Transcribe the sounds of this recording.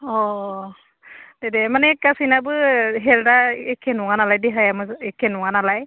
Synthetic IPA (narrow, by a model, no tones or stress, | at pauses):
ɔ | dɛdɛmanɛkasinabɯɦɛldaɛkʰːɛnʊŋanalajdɛɦajamɯɛkʰːɛnʊŋanalaj